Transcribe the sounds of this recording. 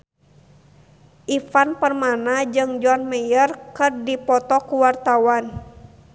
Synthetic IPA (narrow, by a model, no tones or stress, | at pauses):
ʔifanpərmanad͡ʒɨŋd͡ʒɔnməjərkɨrdipɔt̪ɔkuwart̪awan